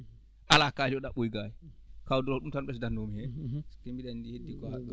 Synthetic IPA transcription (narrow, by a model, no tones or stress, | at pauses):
ʔalakaːd͡ʒɔɗaɓojɡajikawdɔɾɔɗumtanɓɛsdanːomihɛskembiɗanndihedːikɔ